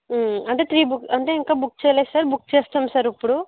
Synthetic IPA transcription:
ɐɳʈeːt̪ʰɾiːbukɐɳʈeːiŋkaːbuk̚t͡ʃɛːlejsaɾbuk̚t͡ʃeːst̪aːmsɐːɾɐpːuɽu

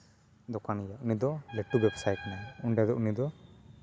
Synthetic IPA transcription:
d̪ɔkanijaʔnid̪ɔleʈːubɛbsajʈnauɳɖad̪ɔʔnid̪ɔ

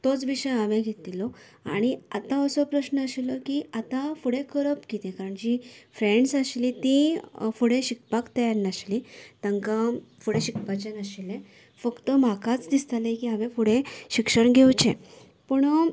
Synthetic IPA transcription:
t̪ot͡sʋiɕəjaʋẽɡʱet̪ilɔ | a̰ɽ̃iat̪ãəsɔpɾəɕnəəɕilɔkiat̪afuɽẽkəɾəpkit̪ẽkaɾəɳt͡ɕifɾeɳɖsaɕlit̪ĩfuɽẽɕik̚pakt̪ajaɾnaɕlit̪aŋkafuɽẽɕikpat͡ɕanəɕilẽ | fəkt̪əm̤akat͡sd̪ist̪alẽkiaʋẽfuɽeɕikʂəɳɡʱewt͡ɕe | puɳ

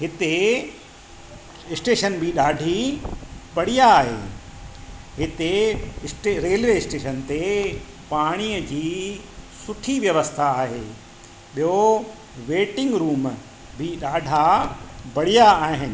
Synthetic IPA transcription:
ɦɪt̪e | ɪsʈeːʃənbʱɪɗaːɖʱi | bɐɽ̤ijaːɦḛː | ɦɪt̪eɪsʈeɾeːlʋeɪsʈeːʃənt̪e | paːɽ̃iːəd͡ʑiːsʊʈʰiʋjɐʋəst̪ʰaːɦeː | ɓijo | ʋeːʈɪ̃ŋɡɾuːm | bʱɪɗaːɖʱabɐɽijaːɦɪnɪ̆

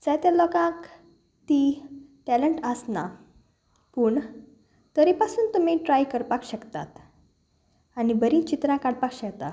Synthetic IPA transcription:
d͡zajt̪jalɔkãk | t̪iʈɛləɳʈəsna | puːɳ | t̪əɾipasuːnt̪um̤iʈɾajkəɾpakɕəkt̪a̰t̪ | anibəɾĩːt͡ɕit̪ɾãkaɽpakɕəkt̪a

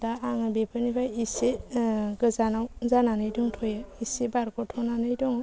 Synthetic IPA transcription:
daaŋɯbepʰanipʰajiseɡɯzanawzananɯjdɔŋtʰɔjaisebaɾkɔtʰɔnanɯjdɔŋ

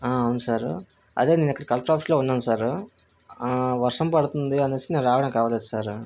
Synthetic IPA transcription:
aːɐʋunusaːɾ | ɐ̰ðeːniːnikːɐɽikɐlpʈaːfisloːunːaːnsaːɾ | ʋɐɾʂɐmpɐɽut̪und̪iɐnɐt͡ʃːineːnɾaːʋɐɽɐ̃ŋkaːʋaːleːd̪ɯsaːɾ

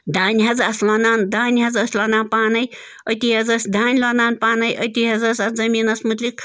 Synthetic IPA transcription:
d̪aːnʲɦɐzɐslɐnaːnd̪aːnʲɦɐzɐsʲlɐnaːnpaːnɐj | ɐt̪iɦɐzɐsʲd̪aːnʲlɐnaːnpaːnɐjɐt̪ʲiɦɐzɐsʲɐsd͡zɐmiːnɐsmut̪likʰ

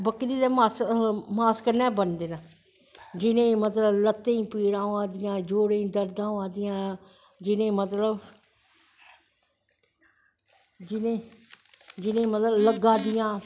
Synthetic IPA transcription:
bəkɾiːd̪eːmasmaːskəɾnɛːbənd̪eːnaː | d͡ʒɪnẽːmət̪ləblət̪ːẽːĩːpiːɽãːaːd̪ɪjãːd͡ʒoːɽẽd̪əɾd̪ãːaːd̪ɪjãː | d͡ʒɪnẽːmət̪ləb | d͡ʒɪnẽː | d͡ʒɪnẽːmət̪ləbləɡaːd̪ɪjãː

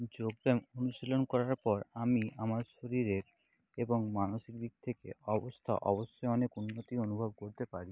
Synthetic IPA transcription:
d͡ʑoɡ̚d̪emonuʃilonkɔɾaɾpɔɾamiamaɾʃoɾiɾeɾ | eboŋmanoʃik̚d̪ik̚t̪ʰekḛɔbost̪ʰa̰ʔɔ̰boʃːoeɔnekunːot̪ionubʱob̚koɾt̪epaɾi

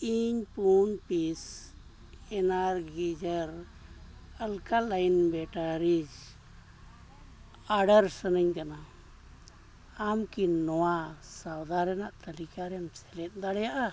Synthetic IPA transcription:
iɲpunpis | ɛnaɾɡid͡ʒəɾ | əlkalajnbɛʈaɾid͡ʒ | aɖəɾsənəɲkana | amkinɔwasawd̪aɾɛnaʔt̪əlikaɾɛmsɛlɛt̪̚ˀd̪aɽɛjaʔa

